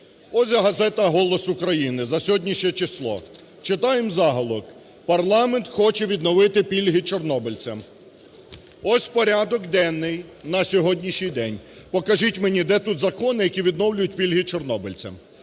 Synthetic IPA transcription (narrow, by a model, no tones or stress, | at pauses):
ɔzʲɐɦɐzɛt̪ɐɦɔlˠɔsʊkɾɐjinɪzɐsʲɔɦɔdʲnʲiʃɛt͡ʃɪslˠɔ̰ | t͡ʃɪt̪ɑjemzɑɦɔlˠɔk | pɐrlˠɑment̪xɔt͡ʃɛʋʲid̪nɔʋɪt̪ɪpʲilʲɦit͡ʃɔrnɔbɪlʲt͡sʲɐm | ɔsʲpɔɾʲad̪ɔkd̪ɛnːɪjnɐsʲɔɦɔdʲnʲiʃnʲijd̪ɛnʲpɔkɐʒitʲmenʲid̪ɛt̪ut̪zɐkɔnɪjɐkʲiʋʲid̪nɔwlʲʊjʊt̚ʲpʲilʲɦit͡ʃɔrnɔbɪlʲt͡sʲɐ̰m